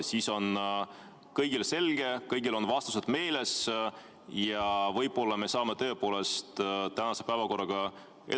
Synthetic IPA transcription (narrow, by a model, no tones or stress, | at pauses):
siːso̞n | kɤjɡilse̞lɡ̥e̞kɤjɡ̥ilo̞nvɑst̪u̥sed̪̥me̞ːle̞s | jɑvɤjbo̞lːɑme̞sɑːmet̪ø̞ːpo̞ːle̞st̪t̪ænɑse̞pæevɑko̞rːɑɡ̥ɑ | e